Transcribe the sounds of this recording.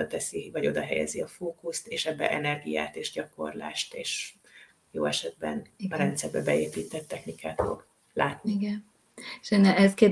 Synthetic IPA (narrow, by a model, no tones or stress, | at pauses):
ɒt̪ɛsivɒɟo̞d̪ɒɦɛjɛ̰ziɒfoːkust̪eːʃɛbːɛ̰ʔɛnɛrɡija̰ːt̪eːʒɟɒko̞̰rla̰ːʃt̪eːʃ | joːɛʃɛd̪̚bɛ̰nɒɾɛnt̪sɛrbɛbɛeːpiːt̪ːɛt̪ːɛxnikaːt̪fo̞̰ɡ | laːt̪niɡɛn | ʃɛnːɛɛzke